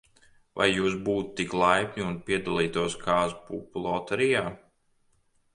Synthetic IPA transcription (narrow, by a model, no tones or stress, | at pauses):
va̰jːuːs̬buːt̪ːiklˠajpʲnʲiunpʲiɛd̪alˠiːt̪uɔskʰaːspṵːplˠɔːt̪ɛɾijaː